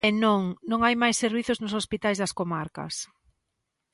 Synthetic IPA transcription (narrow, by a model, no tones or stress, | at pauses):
ɛnõŋnõŋajmajsːeɾβiθʊznʊsospit̪ajzðɐskomaɾkɐ̰s